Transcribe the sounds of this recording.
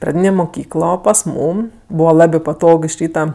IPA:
prɐˈdʲiːnʲeː mʊˈkʲiːklˠoː pɐs ˈmuːm ˈbuːʋɐ ˈlˠɑːbʲeː pɐˈtoːk ɪʃ ˈrʲiːtɐ

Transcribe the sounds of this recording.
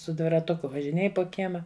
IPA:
sʊ dʲʋʲɪrɐˈtʊkʊ ʋɐʒʲɪˈnʲeːj poː ˈkʲiɛmɐ

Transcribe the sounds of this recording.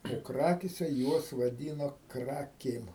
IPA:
oː ˈkrɑːkʲeːsʲɛ ˈjuɔs ʋɐˈdʲiːnoː ˈkrɑːkʲeːm

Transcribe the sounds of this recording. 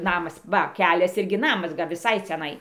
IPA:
ˈnɑːmɐs ˈʋɐ ˈkʲæːlʲɛs ˈɪrʲɡʲɪ ˈnɑːmɐs ʋʲɪˈsɐɪ t͡sʲɛˈnɐɪ

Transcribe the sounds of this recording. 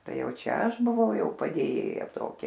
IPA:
ˈtɐɪ ˈjɛʊ ˈt͡ʃʲɛ ˈɐʃ bʊˈʋɐʊ ˈjɛʊ pɐdʲeːˈjeːjɛ ˈtoːkʲɛ

